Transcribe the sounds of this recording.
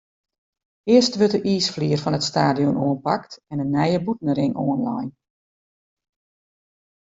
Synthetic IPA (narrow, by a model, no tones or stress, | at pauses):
ɪəstʋøtəʔiːsfliːərfɔnətstaːdijɔnʔoːənpaktɛnənːɛjəbutən̩ɾɪŋʔoənla̰jn